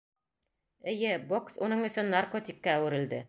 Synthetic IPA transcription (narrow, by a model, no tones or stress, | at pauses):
ɘ̆jɘboksunɤɴɵ̆sɵnːarkot̪ʲikːæːwɘ̆ɾɘ̆ld̪ɘ